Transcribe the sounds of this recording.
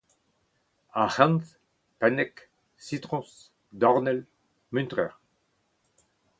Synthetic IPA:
ahãnt̪ | pɛnɛk | sit̪ʁɔ̃s | d̪ɔʁnɛl | mynt̪ʁɛʁ

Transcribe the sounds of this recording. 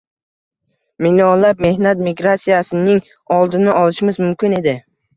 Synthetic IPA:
miliɒnlap̚me̞hnat̪miɡɾasijasɪnɪŋ | ɒlˠd̪ɪnɪʔɒlˠɪʃɪmɪzmʊmkʲɪne̞d̪ɪ

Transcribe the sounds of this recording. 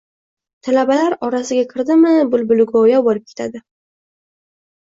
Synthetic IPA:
t̪ʰalabalaɾɒɾasɪɡʲakʲʰɪɾd̪ɪmɪbʊlbʊlɡɒjabolɪp̚kʲʰet̪ʰad̪ɪ

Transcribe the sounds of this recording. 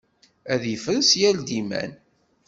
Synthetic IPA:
æðifənsjæld̪imæ̰n

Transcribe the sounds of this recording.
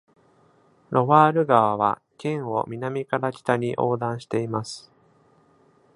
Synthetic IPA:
ɾʔo̞βaːɾɯ̟ɡaβaβa̰ | kʲẽɰ̃o̞̰mʲinamʲikaɾad͡ʑi̥t̪aɲ̟iʔo̞ːd̪ãɰ̃ɕi̥t̪e̞imasɨ̥

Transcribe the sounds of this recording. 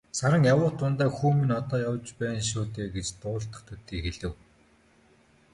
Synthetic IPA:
saɾə̆ŋjawʊːt̪ʊnt̪aːxuːmĭnɔt̪ɔːjawt͡ɕpæːnʃ̬ʊːt̪eːɡet͡ɕt̪ʊːɬt̪ə̥̆χt̪ʰɵt̪iːxeɮɘ̆w

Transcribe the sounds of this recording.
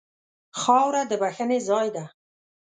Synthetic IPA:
xɑwɾad̪əbaxənezɑjd̪a

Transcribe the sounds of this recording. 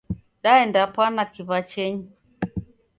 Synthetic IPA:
ɗaɛndapwanakiβat͡ʃɛɲi

